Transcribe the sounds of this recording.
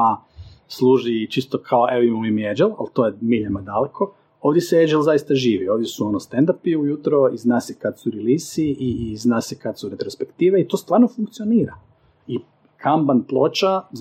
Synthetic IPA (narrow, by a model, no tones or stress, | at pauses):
a | slˠuːʒit͡ʃist̪okʰaoʔeoimaoimied͡ʒelˠa̰lˠt̪o̞jemiʎamad̪alekʰo | oːʋd̪jeseed͡ʒelˠzajist̪aʒiːʋio̞ːʋd̪jesuo̞nost̪end̪apiujut̪ɾoiznaːsekat̪suɾeliːsiiznaːsɛkat̪suɾe̞t̪ɾospe̞kt̪iːʋeit̪ost̪ʋaːɾnofuŋkt̪sioniːɾa | i | kʰambanplˠo̞ːt͡ʃaz